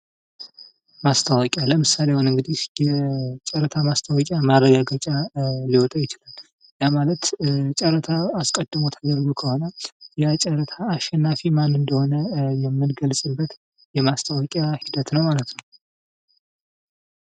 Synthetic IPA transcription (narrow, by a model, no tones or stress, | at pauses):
mast̪ʰəwɔkʲʼalːəmɨsalejahunɨŋɡɨd̪ihjɛt͡ʃʼɛɾət̪ʰamast̪ʰawɔkʼjamarːəɡaɡət͡ʃʼaliwɔt̪ʼajɪt͡ʃɪlal | jamalət̪t͡ʃʼɛɾət̪ʰaaskʼəd̪ːɨmot̪ʰad̪əɾɡokʰəho̞nəjat͡ʃʼɛɾət̪ʰaːʃːɛnːafimanɨnd̪əho̞nəjɛmːɨnɡəlsʼɨbːət̪ | jɛmast̪ʰəwɔkʼjahid̪ət̪nəwmalət̪nəw